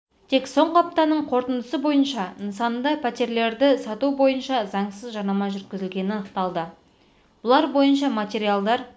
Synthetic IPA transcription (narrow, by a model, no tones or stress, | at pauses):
t̪ʰe̞kso̞ɴʁəɑp̚t̪ɑnəɴqʰo̞ɾt̪ənd̪əsəbo̞jənʃɑnsɑnd̪ɑpʰæt̪ʲe̞ɾle̞ɾd̪ɪsɑt̪ubo̞jənʃɑzɑɴsəzʒɑɾnɑmɑʒʏɾt̪kʲɪzɪlɡʲe̞nɪnɑnəqt̪ɑlˠd̪ə | b̥ʊlˠɑɾbo̞jənʃ̬ɑmat̪e̞ɾijalˠd̪ɑɾ